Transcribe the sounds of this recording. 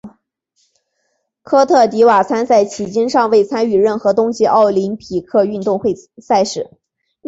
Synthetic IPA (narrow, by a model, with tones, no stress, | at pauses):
kʰɤ˥t̪ʰɤ˥˩t̪i˧˥wa˨˩t͡sʰa˥nt͡sa˥˩ɪt͡ɕʰi˨˩t͡ɕi˥nʂɑ˥˧ŋwe˥˩ɪt͡sʰa˥ny˥˧ɻə˥˩nxɤ˧˥t̪ʊ˥ŋɕi˨˧ʔɑ˥˩ʊli˧˥npʰi˨˩kʰɤ˥˧y˥˧nt̪ʊ˥˧ŋxwe˥˧ɪsa˥˧ɪʂɻ̩˥˩˦